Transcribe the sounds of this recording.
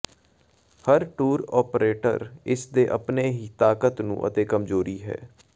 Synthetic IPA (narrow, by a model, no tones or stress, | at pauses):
həɾʈuːɾɔːpɾeːʈə̰ɾɪsd̪eːʔəpneːɦiːt̪aːkət̪nṵ̃ːʔə̰t̪eːkəmzoːɾiːɦɛ̰ː